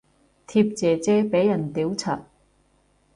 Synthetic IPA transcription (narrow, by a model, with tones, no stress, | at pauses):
t̪ʰiː˧p̚t͡sɛː˨t͡sɛː˥pe˨˥jːɐ˨˩nt̪iː˨˥wt͡sʰa̰ː˨t̚